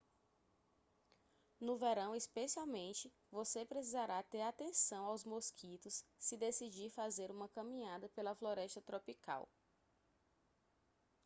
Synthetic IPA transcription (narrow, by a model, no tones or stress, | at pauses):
nʊveɾɐ̃w̃ispesiawmẽnt͡ʃɪ | vosepɾesizaɾat̪eɾat̪ẽsɐ̃w̃awzmoskʰit̪ʊsːɪd̪esid͡ʒiɾfazeɾũmɐkɐ̃mĩɲad̪ɐpelɐfloɾɛʃt̪ɐt̪ɾopika̰w